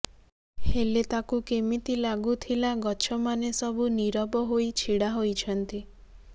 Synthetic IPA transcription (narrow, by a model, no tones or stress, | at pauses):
helet̪akukemit̪ilaɡut̪ʰilaɡɔt͡ʃʰɔmanesɔbʱuniɾɔbɔɦoit͡ʃʰiɽaɦojt͡ʃʰɔnt̪i